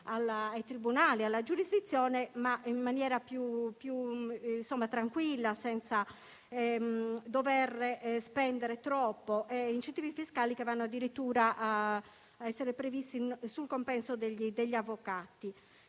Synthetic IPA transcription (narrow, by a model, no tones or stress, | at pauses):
alaːjt̪ɾibunaːlialːad͡ʒuɾizd̪it̪sːjɔːnɛmaimːanjɛːɾapjupjunsɔmːat̪ɾaŋkwilːasɛnt̪sa | ɛd̪ɔvɛrɛʔspɛnd̪ɛɾɛt̪ɾɔpːɔʔɛint͡ʃent̪iːvifiskaːlikɛvanːɔad̪ːiɾit̪ːuːɾaʔa | ɛsːɛɾɛpɾevist̪insulkompɛnsɔd̪ɛʎid̪ɛʎːiavːɔkat̪i